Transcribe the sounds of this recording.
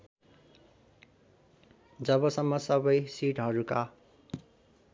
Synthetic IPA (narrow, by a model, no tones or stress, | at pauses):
d͡zʌbʌsʌmːʌsʌbʌjsiʈɦʌɾuka